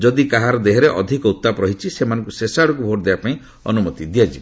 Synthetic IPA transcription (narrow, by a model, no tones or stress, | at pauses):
d͡ʒɔd̪ikaɦaɾɔd̪eɦɔɾeʔɔd̪ʱikɔut̪ːapɾɔɦit͡ʃʰisemanɔ̃ŋkusesaɽɔkubʱoʈd̪ebapaĩ | ɔ̰numɔt̪id̪ijad͡ʒi